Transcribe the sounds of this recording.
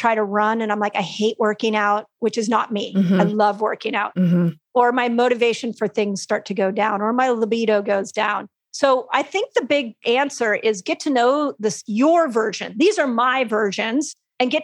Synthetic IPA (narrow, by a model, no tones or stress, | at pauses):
tʰɹ̥aɪɾɨɹʌ̃nɨ̃ñãɪ̃mlaɪkaɪheɪʔwʔɜ˞kɪ̃ŋaʊt̚wɨt͡ʃɨznət̚miaɪlʌvwɜ̰˞kɪ̃ŋaʊt̩̚ | ə˞maɪmoʊɾɨveɪʃɨ̃n̩fə˞θɪ̃ŋz̥stɑɹtʰɨɡoʊdãʊ̃nə˞maɪləbiɾoʊɡoʊzdãʊ̃n | soʊʔaɪθɪ̃ŋk̚ðɨbɪɡ̚æ̃nsə˞ʔɪzɡɛtʰɨnoʊðɪsjə˞vɜ˞ʒɨ̰̃nðizə˞maɪvɜ˞ʒɨ̃nz̥ | ɨ̃nɡɛt